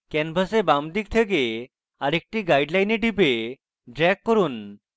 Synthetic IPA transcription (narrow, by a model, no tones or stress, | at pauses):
kɛnpʰasebamd̪ik̚t̪ʰeke | aɾek̚ʈiɡajɖlajneɖipe | ɖɾɛɡ̚kːoɾun